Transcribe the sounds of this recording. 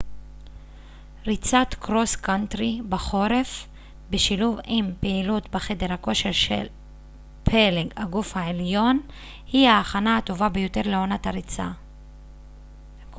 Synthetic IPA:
ʁit͡sat̪kʁo̞skant̪ʁibaχoɾef | beʃiluvimpeilut̪beχe̞deʁhako̞ʃe̞ʁʃel | pʰeleɡaɡufhaʕeljo̞n | hihaːχanahato̞vabejo̞te̞ʁleo̞nat̪haɾit͡sa̰

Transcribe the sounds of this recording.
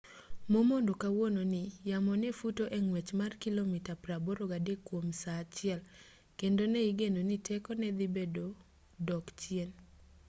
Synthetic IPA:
momondokawononɪjamɔnɛfutoʔeŋwet͡ʃmarkilomitapɾaboɾoɡadekwomsat͡ʃɪɛl | kendonɛiɡenonitʰɛkɔnɛd̪ibedo | dɔkt͡ʃjien

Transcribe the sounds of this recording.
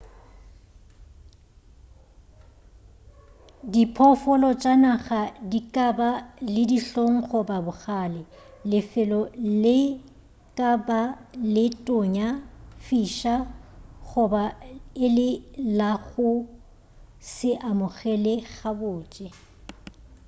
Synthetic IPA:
dipʰɔfɔlɔt͡ʃʼanaɣadikʼabalɪdiɬoŋ̩χʊbabʊɣaːlɪ | lɪfɛlɔlɪ | kʼabalɪtʼʊɲafiːʃaχʊbaɪlɪlaɣʊ | sɪʔamʊɣɛlɛɣabʊːt͡ʃʼɛ

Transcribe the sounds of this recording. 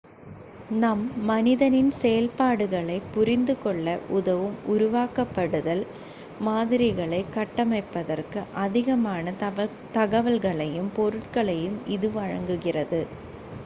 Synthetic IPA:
nɐmːɐnɪðɐnɪnsɛjɐlpaːɽɯɣɐɭɐɪpːʊrɪnd̪ɯkɔɭːɐʔʊðɐʋɯmʊɾʊʋaːkɐpːɐɽɯðɐl | maːðɪɾɪɣɐɭɐɪkːɐʈːɐmɐɪpːɐðɐrkɯʔɐðɪɣɐmaːnɐ | t̪ɐɣɐʋɐlɣɐɭɐjɯmpɔɾɯʈ̚kɐɭɐjɯmɪðɯʋɐɻɐŋɡɯɣɪrɐðɯ

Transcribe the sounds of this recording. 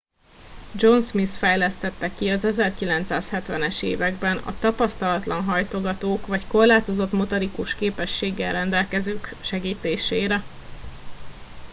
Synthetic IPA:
d͡ʒo̞nsmisfɛjlɛst̪ɛt̪ːɛkiɒzɛzɛrkilɛnt̪saːshɛt̪ʋɛnɛʃḛːvɛɡbɛnɒ̰t̪ɒpɒst̪ɒlɒt̪lɒnɦɒjt̪oɡɒt̪oːkʋɒcko̞rlaːt̪o̞zo̞t̪mo̞t̪oɾikuʃkeːpɛʃːeːɡːɛlrɛnd̪ɛlkɛzøːkʃɛɡiːt̪eːʃeːɾɛ

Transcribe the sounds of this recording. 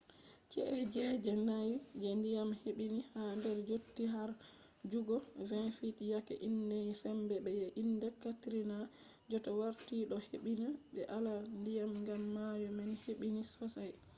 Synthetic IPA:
t͡ʃɛ̰ʔɛd͡ʒɛd͡ʒɛnajd͡ʒɛndijamheɓinihandɛɾd͡ʒotːiɦaɾ | d͡ʒuɡɔvɛnfitijakɛ̰ʔindɛnsɛmbɛɓɛjɛʔinːdɛkatɾina | d͡ʒɔtawaɾtiɗɔheɓinaɓɛʔalandijamŋɡamːajɔmɛnheɓinisɔsaj

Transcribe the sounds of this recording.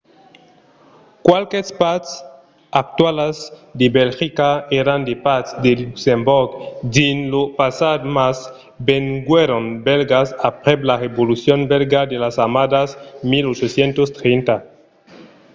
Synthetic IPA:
kwalkespat̪s | ak̚t̪walazd̪ebelxikaeɾand̪epat̪sd̪eluksemboɾɡd̪inlopasad̪mas | beŋɡweɾonbelɡasapɾeblareβolusjonbelɡad̪elasamad̪asmilot͡ʃosjent̪ost̪ɾejnt̪a

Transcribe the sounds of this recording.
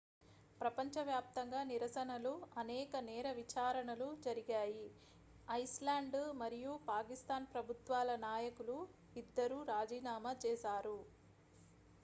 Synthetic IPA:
pɾɐpɐɲt͡ʃɐʋjaːp̚t̪ɐŋɡaːniɾɐsɐnɐluɐnɛːkɐnɛːɾɐʋit͡ʃaːɾɐɳɐlud͡ʒɐɾiɡaːji | ɐjslaːɳɖmɐɾijupaːkist̪aːnpɾɐbʱut̪ʋaːlɐnaːjɐkulu | id̪ːɐɾuːɾaːd͡ʒiːnaːmɐt͡ʃɛːsaːɾu

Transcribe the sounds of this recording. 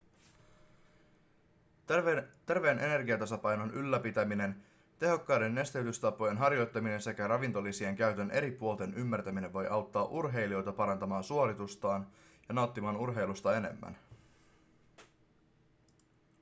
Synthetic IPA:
t̪e̞rʋe̞ːnʔe̞ne̞rɡiɑt̪ɑsɑpɑjno̞nʔylːæpit̪æmine̞n | t̪e̞ɦo̞kːɑːde̞nːe̞st̪eyt̪yst̪ɑpo̞je̞nɦɑrjo̞jt̪ːɑmine̞nse̞kæɾɑʋint̪o̞lːisie̞ŋk̟æyɥt̪ø̞nʔe̞ɾipuolˠt̪e̞nymːært̪æmine̞ʋʋo̞jʔɑwt̪ːɑːʔurɦe̞jlio̞jt̪ɑpɑɾɑnt̪ɑmɑːnsuolit̪ust̪ɑːn | jɑnɑwt̪ːimɑːnurɦe̞jlust̪ɑe̞ne̞̰mːæ̰n

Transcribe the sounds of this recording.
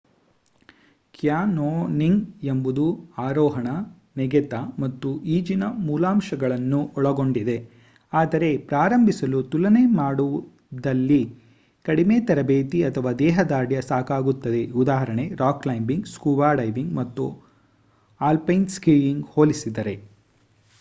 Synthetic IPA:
kjaːnoːniŋɡe̞mbud̪uaːɾɔːɦɐɳɐ | nɛɡɛt̪ɐmɐt̪ːuʔiːd͡ʒinɐmuːlaːmʃɐɡɐɭɐnːuɔɭɐɡo̞ɳɖid̪e̞ | aːd̪ɐɾe̞pɾaːɾɐmbʱisɐlut̪ulɐne̞maːɽuu | d̪ɐlːi | kɐɽime̞t̪ɐɾɐbeːt̪iɐt̪ʰɐʋaːd̪ɛːɦɐd̪aːɽjɐsaːkaːɡut̪ːɐd̪e̞ud̪aːɦɐɾɐɳe̞ɾaːklɐjmbiŋɡskuːbaːɖɐjʋiŋɡmɐt̪ːu | aːlpɐjnskiːjiŋɡho̞ːlisid̪ɐɾe̞

